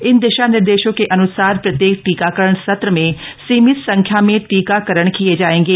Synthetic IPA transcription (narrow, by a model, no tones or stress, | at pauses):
ɪnd̪eʃanɪɾd̪eːʃõkeʔɐnʊsaːɾpɾɐt̪jeːkʈiːkakəɾəɳ̃sɐt̪ɾəmẽsiːmɪssɐ̃ŋkʰjamẽʈiːkakəɾəɽ̃kied͡ʒaːẽːŋɡeː